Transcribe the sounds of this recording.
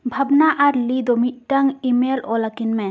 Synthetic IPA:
bʱɐbnaʔaɾlid̪ɔmit̚taŋimelɔlakinme

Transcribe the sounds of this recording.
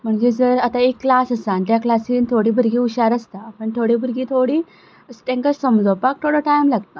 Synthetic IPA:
m̤əɳd͡ʑed͡zəɾat̪aekːlasəsãnt̪jaklasiːnt̪ʰoɽiːbʱəɾɡiːuɕaɾəst̪apəɳt̪ʰoɽibʱəɾɡiːt̪ʰoɽiː | əsʈẽŋkəɾsəmd͡zowpak̚t̪ʰoɽaʈajmlaɡt̪a

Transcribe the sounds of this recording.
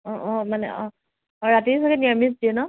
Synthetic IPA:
ɔ̃ʔɔ̃manɛ̰ʔɔ̃ | ɔɹatisɔkɛnimisdiɔnɔ

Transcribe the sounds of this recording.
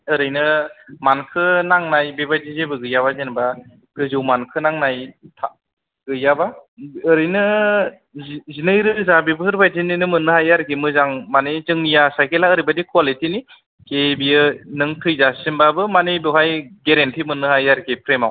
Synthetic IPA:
ɯɾɯjnɯmankʰɯnaŋnajbebadizebɯɡɯjaβazenba | ɡɯzɯwmankʰɯnaŋnajtʰa | ɡɯjabaːɾɯjnɯ | zinɯjɾɯzabibɯhɯɾbajdinɯjnɯmɯnːɯhajaɾkʰimɯzaŋmanezɯŋjasajkelaɯɾibadikʰwalitini | kebijɯnɯŋtʰɯjzasimbabɯmanebɯɦajɡeɾentʰimɯnːɯhajaɾkʰipʰɾema̰w

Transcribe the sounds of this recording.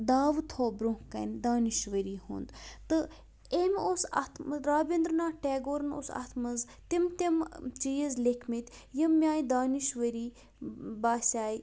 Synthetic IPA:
d̪aːʋt̪ʰoːbɾũŋkɐ̰nd̪aːniʃʋəɾiːhṵːnd̪t̪ɨ | emoːsɐ̰t̪ʰmɾaːbʲind̪ɾnaːʈeːɡoːɾno̰sɐ̰t̪ʰmɐz | t̪imt̪imt͡ʃijəzlekʰmit̪ʲjimːʲaːjĩd̪aːniʃʋəɾiː | baːsʲaːj

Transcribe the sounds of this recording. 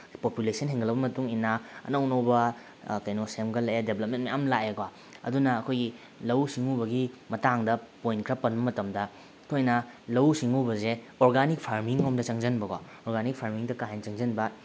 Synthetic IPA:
populesʰɐnɦeŋɡɐlɐbɐmɐtuŋinːaɐ̰nownobɐ | kajnosemɡɐlɐjedebʱlɐp̚mentmijamlaekwa | ɐ̰dunɐːkʰojɡi | lɐwsiŋubɐɡimɐtaŋdɐpojnkʰɾɐpɐnbɐmɐtɐmdɐ | kʰojnɐlɐwsiŋubɐze | oɾɡanik̚pʰaɾmiŋomdɐt͡ʃɐŋzɐnbɐka | oɾɡanik̚pʰaɾmiŋdɐkaɦent͡ʃɐŋzɐnbɐ

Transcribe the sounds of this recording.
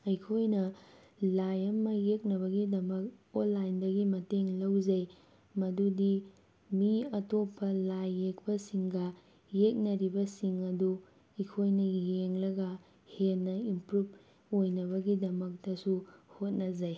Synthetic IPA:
ɐjkʰojnɐ | lajɐmɐjek̚nɐβɐɡidɐmɐk̚onlːajndɐɡimɐteŋlɐwzɐj | mɐdudi | miɐtopʰːɐlajːek̚pɐsiŋɡɐ | jek̚nɐɾibɐsiŋɐdu | ɐjkʰojnɐjeŋlɐɡɐ | henːɐimpɾub | ojnɐβɐɡidɐmɐk̚tɐsuhot̚nɐzɐj

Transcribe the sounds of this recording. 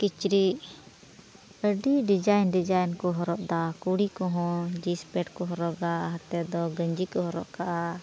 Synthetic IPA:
kit͡ʃɾiʔ | əɖiɖid͡ʒajnɖid͡ʒajnkɔɦɔɾɔʔd̪akuɽikɔɦɔ̃d͡ʒispɛʈkɔɦɔɾɔʔɡaɦat̪ɛd̪ɔɡəɲd͡ʒikɔɦɔɾɔʔkaʔa

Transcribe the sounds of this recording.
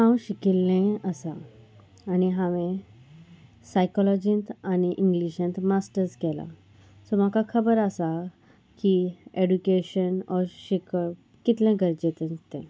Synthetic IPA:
hãwɕikilːẽəsaː | ñiɦaʋẽ | sajkɔlɔd͡ʑĩnt̪añiʔiŋɡliɕẽnt̪masʈəɾskɛla̰ | sɔm̤akʰakʰəbəɾasa | kieɖukeɕənɔɕikə | kit̪lẽɡəɾd͡ʑet̪ənt̪ẽ

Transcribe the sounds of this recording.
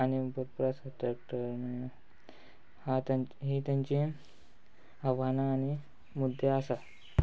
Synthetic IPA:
añibəɾ̚pɾasaʈ̪ɾak̚ʈəɾme | hat̪ɦit̪jãɲt͡ɕi | aʋanaːñi | mud̪ʱːeasa

